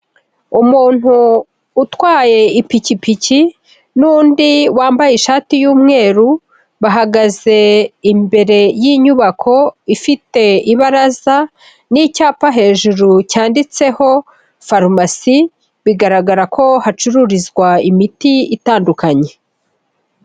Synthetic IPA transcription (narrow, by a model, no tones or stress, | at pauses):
umuːn̥huː | twaːje̞ipicipici | nundiwaːmbajeʃaːtijuːmŋe̞ːɾu | βaɦaɡaze̞imbe̞ɾe̞jiːɲuβakʰo̞ifite̞iβaɾaza | nicaːpaɦe̞ːʒuɾucaːndit͡se̞ho̞ | faɾmasi | βiɡaɾaɡaɾakʰo̞hat͡ʃuɾuɾizɡwaimitiitaːndukaɲe̞